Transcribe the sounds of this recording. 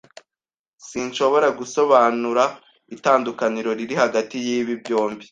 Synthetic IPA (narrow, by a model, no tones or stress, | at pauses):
siːnʃo̞βo̞ɾaɡuso̞βaːnuɾa | itaːndukaniɾo̞ɾiɾihaɡatijiːβibjo̞ːmbi